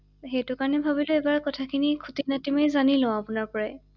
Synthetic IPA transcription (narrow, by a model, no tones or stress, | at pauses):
xetʊkaɹɔnɛbʱabilʊɛbaɹkɔtʰakʰinikʰutinatimejzanilɔ̃apʊnaɹpɔɹaj